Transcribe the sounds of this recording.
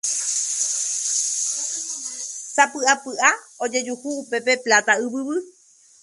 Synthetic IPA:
sapɨapɨʔa | od͡ʒe̞d͡ʒuhuːpe̞pe̞plat̪aɨβɨβɨ

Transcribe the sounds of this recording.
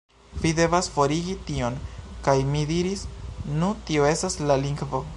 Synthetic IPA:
vide̞vasfo̞ɾiɡitio̞nkajmidiɾisnutio̞e̞staslaliŋɡvo̞

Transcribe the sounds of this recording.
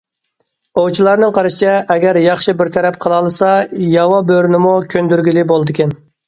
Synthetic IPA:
owt͡ʃʰilˠɑɾnɨŋqʰɑɾɨʃt͡ʃʰɛʔːɡʲɛɾjɑχʃɨbɪɾt̪ʰɛɾɛp̚qʰəlˠɑlˠɨsɑjɑwɑbøɾnɪmukʲʰønd̪yɾɡʲilɪbolˠɨd̪ɨkʲɛn

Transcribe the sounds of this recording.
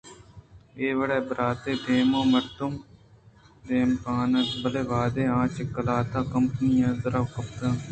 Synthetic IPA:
eːʋɐɽeːbəɾaːt̪eːd̪eːmõːmɐɾt̪ʊm | d̪eːmkaːnɐt̪bəleːʋaːd̪eːãːt͡ʃɪkːəlaːt̪aːkɐmpənijãːzɐɾawkɐp̚ɾãː

